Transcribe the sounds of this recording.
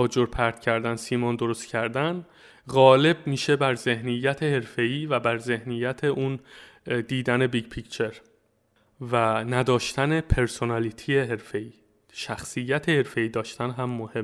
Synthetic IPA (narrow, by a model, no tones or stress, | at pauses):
ɒːd͡ʒoɾpʰæɾt̪cʰæɾd̪ænsiːmɒnd̪o̞ɾost̪cʰæɾd̪æn | ɣɒːle̞bmiːʃe̞bæɾze̞hnijːæt̪ʰe̞he̞ɾfe̞iːvæbæɾze̞hnijːæt̪ʰe̞ʔund̪iːd̪æne̞biɟpʰict͡ʃʰe̞ɾ | vænæd̪ɒːʃt̪ænepʰe̞ɾso̞nælit̪ʰijeɦe̞ɾfe̞iː | ʃæxsijːæt̪ʰe̞he̞ɾfe̞iːd̪ɒːʃt̪ænɦæmːohem